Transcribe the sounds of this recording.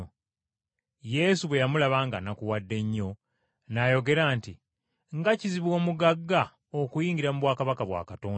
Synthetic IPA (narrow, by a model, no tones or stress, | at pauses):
je̞suβwe̞jamulaβaːŋɡanakuwadːe̞ɲːo̞ | najo̞ɡe̞ɾaːnti | ŋɡaciziβwo̞ːmuɡaɡːa | okujiːɲɟiɾamuβwaːkaβakaβwa̰ːkatoːn